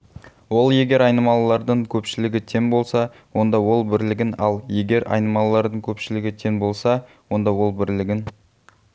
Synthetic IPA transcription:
wo̞lˠje̞ɡʲe̞ɾɑjnəmɑlˠəlˠɑɾd̪əɴkʲʰɵpʃɪlɪɡʲɪt̪ʰe̞ŋbo̞lˠsɑ | wo̞nd̪ɑwo̞lˠbɪɾlɪɡʲɪnɑlˠje̞ɡʲe̞ɾɑ̰jnəmɑlˠəlˠɑɾd̪əɴkʲʰɵpʃɪlɪɡʲɪt̪ʰe̞ŋbo̞lˠsɑ | wo̞nd̪ɑwo̞lˠbɪɾlɪɡʲɪn

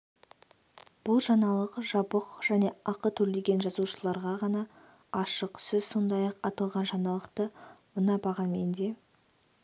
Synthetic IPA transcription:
b̥ʊlˠʒɑnɑlˠəqʒɑbəqʒ̥æne̞ɑqət̪ʰɵɾleɡʲe̞nʒɑzuʃəlˠɑɾʁɑʁɑnɑ | ɑʃəqsɪzso̞nd̪ɑjɑqɑt̪ɑlˠʁɑnʒɑnɑlˠəqt̪əmənɑbɑʁɑnme̞̰nd̪e̞

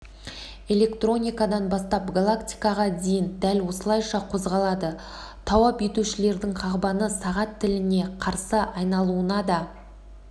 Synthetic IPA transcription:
e̞le̞kt̪ro̞nʲijkɑd̪ɑnbɑst̪ɑpɡalˠakt̪ʲijkɑʁɑd̪ejɪnd̪ælwo̞səlˠɑjʃɑqʰo̞zʁɑlˠɑd̪ə | t̪ʰɑwɑpe̞t̪uʃɪle̞ɾd̪ɪŋqʰɑʁbɑnəsɑʁɑt̪ʰːɪlɪne̞qʰɑɾsəʔɑjnɑlˠuənɑd̪ɑ

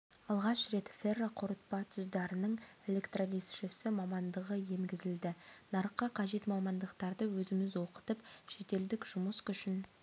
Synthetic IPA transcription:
ɑlˠʁɑʃre̞t̪fe̞rːaqʰʊɾət̪̚pɑt̪ʰʏzd̪ɑɾənəɴe̞lʲe̞kt̪rolisʃɪsɪmɑmɑnd̪əʁəje̞ŋɡʲɪzɪld̪ɪnɑɾqːəqʰɑʒe̞t̪mɑmɑnd̪əqt̪ɑɾd̪əwɵzɪŋɪzwo̞qə̥t̪əpʃe̞t̪e̞ld̪ɪkʒ̥ʊməskʲʏʃɪn

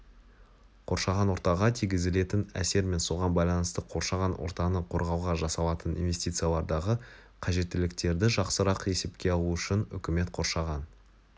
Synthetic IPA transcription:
qʰo̞ɾʃɑʁɑnwo̞ɾt̪ɑʁɑt̪ʰijɡʲɪzɪle̞t̪ɪnæ̰se̞ɾme̞nso̞ʁɑnbɑjlˠɑnəst̪əqʰo̞ɾʃɑʁɑnwo̰ɾt̪ɑnəqʰo̞ɾʁɑwʁɑʒɑsɑlˠɑt̪ənḭnve̞st̪ijt̪sɨjalˠɑɾd̪ɑʁə | qʰɑʒe̞t̪ːɪlɪk̚t̪e̞ɾd̪ɪʒɑqsəɾɑqe̞se̞pkʲe̞ɑlˠuʏʃɪnʏ̰kʲɪme̞t̪qʰo̞ɾʃɑʁɑn

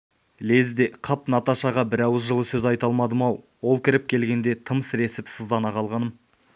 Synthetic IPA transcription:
le̞zd̪eqʰɑpnɑt̪ɑʃɑʁɑbɪɾɑwɪzʒəlˠəsɵzɑjt̪ɑlˠmɑd̪əmɑ | wolˠkʲʰɪɾɪp̚kʲʰe̞lɡʲe̞nd̪e̞t̪ʰəməsɾe̞sɪpsəzd̪ɑnɑqʰɑlˠʁɑnəm

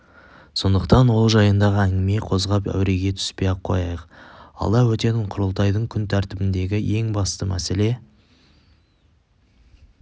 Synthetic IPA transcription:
so̞nd̪əqt̪ɑnwo̞lˠʒɑjənd̪ɑʁəæŋɡʲɪme̞qʰo̞zʁɑpæ̰wɾe̞ɡʲe̞t̪ʰʏ̥spe̞jɑp̚qʰo̞̰jɑjəqɑ̰lˠɑwɵt̪e̞t̪ɪɴqʰʊɾəlˠt̪ɑjd̪əɴkʲʰʏnt̪ʰæɾt̪ɪbɪnd̪e̞ɡʲɪje̞ŋbɑst̪əmæse̞le̞

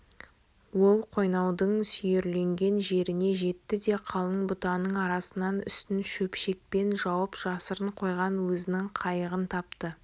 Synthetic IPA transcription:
wo̞lˠqʰo̞jnɑwd̪əɴsʏjeɾle̞ŋɡʲe̞nʒe̞ɾɪne̞ʒe̞t̪ːɪd̪e̞qʰɑlˠəɴbʊt̪ɑnəɴɑɾɑsənɑnʏ̰st̪ɪnʃɵpʃe̞k̚pe̞nʒɑwəpʒ̥ɑsəɾəɴqʰo̞jʁɑnwɵzɪnɪŋqʰɑjəʁənt̪ʰɑpt̪ə

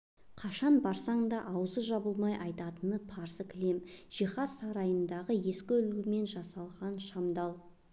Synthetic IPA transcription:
qʰɑʃɑnbɑɾsɑɴd̪ɑʔɑwzəʒɑbəlˠmɑjʔɑjt̪ɑt̪ənəpʰɑɾsəkʲʰɪle̞mʒ̥iχɑsːɑɾɑjənd̪ɑʁəje̞skʲɵlɡʲɪme̞nʒɑsɑlˠʁɑnʃɑmd̪ɑlˠ

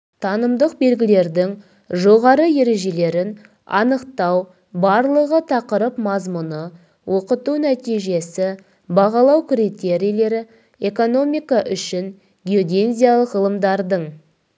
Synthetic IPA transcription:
t̪ʰɑnəmd̪əq̚be̞lɡʲɪle̞ɾd̪ɪŋ | ʒo̞ʁɑɾəje̞ɾe̞ʒe̞le̞ɾɪn | ɑ̰nəqt̪ɑw | bɑɾlˠəʁət̪ʰɑqəɾəpmɑzmʊnə | wʔoqət̪uwnæt̪ijʒe̞sɪ | bɑʁɑlˠɑwkʲʰɪɾit̪e̞ɾijle̞ɾɪ | eko̞no̞mijkaʔʏʃɪŋ | ɡʲio̞d̪ʲe̞nzʲijalˠəqʁəlˠəmd̪ɑɾd̪əɴ

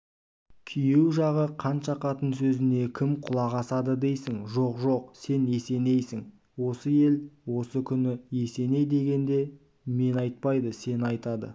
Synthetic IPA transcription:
kʲʰijewʒɑʁəqʰɑnʃɑqʰɑt̪ənsɵzɪne̞kʲʰɪmqʰʊlˠɑʁɑsɑd̪əd̪e̞jsɪŋʒo̞qʒo̞qse̞ne̞se̞ne̞jsɪŋ | wo̞səje̞lwo̞səkʲʰʏnɪje̞se̞ne̞jd̪e̞ɡʲe̞nd̪e̞ | me̞nɑjt̪̚pɑjd̪əse̞nɑjt̪ɑd̪ə̰

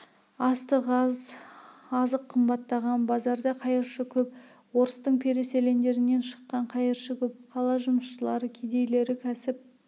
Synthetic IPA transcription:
ɑst̪əʁɑz | ɑzəqʰːəmbɑt̪ːɑʁɑnbɑzɑɾd̪ɑqʰɑjəɾʃəkʲʰɵp̚ | wo̞ɾəst̪əɴpʰe̞ɾe̞se̞le̞nd̪e̞ɾɪne̞nʃə̥qːɑɴqʰɑjəɾʃəkʲʰɵp̚qʰɑlˠɑʒʊməsʃəlˠɑɾəkʲʰe̞d̪e̞jle̞ɾɪkʲʰæsɪp̚

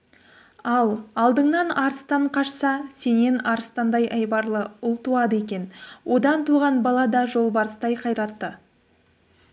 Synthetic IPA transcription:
ɑlˠɑlˠd̪əɴnɑnɑɾəst̪ɑɴqʰɑʃsɑse̞ne̞nɑɾəst̪ɑnd̪ɑjʔɑjbɑɾlˠəʊlˠt̪uɑd̪əe̞kʲe̞nwʔo̞d̪ɑnt̪uʁɑnbɑlˠɑd̪ɑʒo̞lˠbɑɾəst̪ɑjqʰɑjɾɑt̪ːə

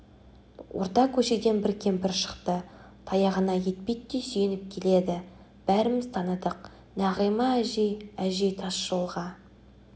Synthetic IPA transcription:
wʔo̰ɾt̪ɑkʲʰɵʃe̞d̪e̞nbɪɾkʲʰe̞mpɪɾʃə̥qt̪ə | t̪ʰɑjɑʁənɑje̞t̪̚pejt̪ːesʏjenɪp̚kʲʰe̞le̞d̪ɪ | b̥æɾɪmɪzt̪ʰɑnəd̪əq̚ | næʁəjmɑæʒejæʒe̞jt̪ʰɑsʃəlˠʁɑ

